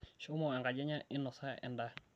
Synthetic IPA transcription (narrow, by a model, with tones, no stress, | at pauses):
ʃo˦mo˨ɛ˨ŋɡa˨d͡ʒɛ˦ɲa˦ɪ˦nːɔ˨sa˦ɛ̰˨nda˦